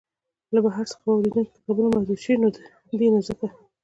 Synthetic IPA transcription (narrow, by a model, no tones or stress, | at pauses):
labaɦaɾsə̥xaawɾed̪unko̥pe̥xabəɾamahd͡ʒuɾʃəwinod̪ə | d̪inazəka